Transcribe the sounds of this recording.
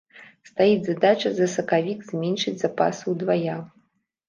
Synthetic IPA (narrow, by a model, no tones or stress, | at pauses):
st̪ajid͡zʲzad̪at͡ʃɐzɐsɐkavʲikzʲmʲɛnʲʂɨd͡zʲzapa̰sɨwd̪vaja